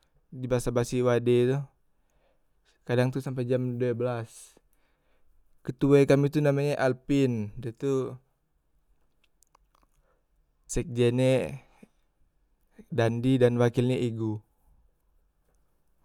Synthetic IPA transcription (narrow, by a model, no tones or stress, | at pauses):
dibaasabasiwadɛt̪u | kadaŋt̪usamp̬ajd͡ʒamduabəlas | kət̪uakamit̪unamaɲaʔalpindat̪u | sɛk̚d͡ʒɛne | dandidanwakilɲɛʔiɡu